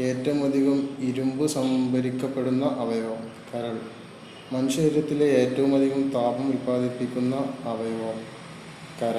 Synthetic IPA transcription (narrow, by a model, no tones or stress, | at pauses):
e̞ːtːɐʋumɐd̪ʱiɣɐmiɾumbɨsɐmbʱɐɾikʲːɐpːe̞ɽunːɐʔɐbɐjɐʋɐmkɐɾɐɭ | mɐnuɕɐiɾɐt̪ːileeːtːɐʋumɐd̪ʱiɣɐmt̪aːbɐmulbaːd̪ʱipːikʲːunːɐɐbɐjɐʋɐm | kɐɾɐɭ